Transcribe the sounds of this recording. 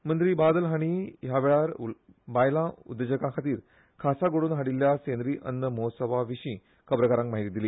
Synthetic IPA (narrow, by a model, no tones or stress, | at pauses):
mənd̪ɾiːbad̪əlɦaɽ̃iɦjaʋɛɭaɾ | bajlãṵd̪ːəd͡ʑəkãkʰat̪iːɾ | kʰasaɡoɽuːnɦaɽiljasẽnd̪ɾiːʔənːəmɔsəʋaʋiɕĩ | kəbɾəkaɾãŋkmaɦit̪iːd̪iliː